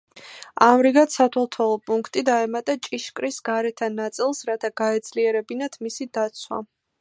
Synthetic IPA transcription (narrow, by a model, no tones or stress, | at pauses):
amɾiɡat̪sat̪ʰɛlˠt̪ʰɔlˠɔpʼuŋkʰt̪ʼid̪aɛmat̪ʼat͡ʃʼiʃkʼɾisɡaɾɛt̪ʰanat̪sʼilˠsɾat̪ʰaɡ̥aɛd̪z̥liɛɾɛbinat̪ʰmisid̪at̪sʰwa̰